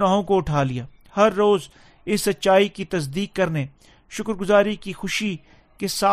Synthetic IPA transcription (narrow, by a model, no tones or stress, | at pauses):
naːɦõkoʊʈʰaːlijaː | hɐɾːoːz | ɪsːɐt̪ːʃaːikit̪ɐs̬d̪iːkːɐɾne | ʃʊkɾɡʊzaːɾikixʊʃi | kesaː